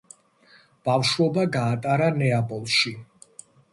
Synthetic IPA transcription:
b̥afʃwɔbaɡaːt̪ʼaɾanɛabʼɔlˠʃi

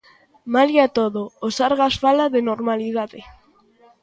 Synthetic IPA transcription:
maljat̪oðoːsaɾɣasfalaðenoɾmaliðaðe

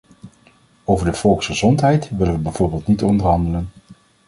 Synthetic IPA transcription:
owvəɹdəv̥ɔlˠksχəzɔntɦɛjtʋɪlənʋəbɛjv̥oːɹbɪːlˠtnitɔndəɹɦɑndələn

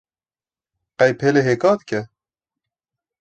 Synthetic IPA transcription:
qæjpheleɦeːkɑːd̪kɛ

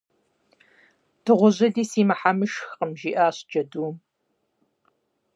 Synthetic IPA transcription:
tʰɨʁʷʊʑɐdiːsiːmɐħamɨʃxqəmʒiːʔaːɕd͡ʒɐduːm

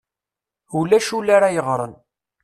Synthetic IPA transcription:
ulæʃulaɾajəʁɾˤə̰n

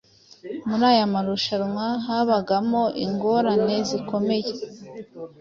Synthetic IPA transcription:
muɾaːjamaɾuʃaɾmwaɦaβaɡamoʔiŋɡo̞ɾane̞ziko̞me̞je

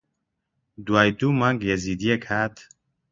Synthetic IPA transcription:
d̪waːjd̪umaːŋɡjɛziːd̪ijɛkhaːt̪

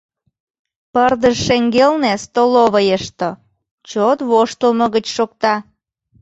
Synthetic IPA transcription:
pərd̪əʃʃeŋɡelnest̪oloβəjəʃt̪o | t͡ɕot̪βoʃt̪əlmə̆ɣət͡ɕʃok̚t̪ɑ

